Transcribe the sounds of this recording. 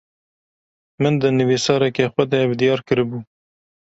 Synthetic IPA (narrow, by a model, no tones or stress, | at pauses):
mənd̪ənəwisɑɾakexwad̪eabd̪ijɑɾkəɾbu